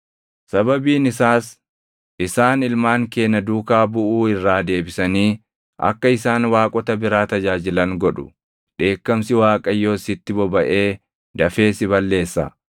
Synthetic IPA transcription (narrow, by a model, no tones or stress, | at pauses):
sɐbɐbiːnɪsaːs | ɪsaːnɪlmaːŋke̞ːnːɐd̪uːkaːbʊʔuːɪrːaːd̪e̞ːbɪsɐniː | ɐ̰kːɐɪsaːnwaːkʼɔt̪ɐbɪɾaːt̪ɐd͡ʒaːd͡ʒɪlɐŋɡɔᶑʊ̰ | ɗe̞ːkːɐmsɪwaːkʼɐjːo̞ːsɪt̪ːɪbɔbɐʔe̞ː | d̪ɐfe̞ːsɪbɐlːe̞ːsːɐ̰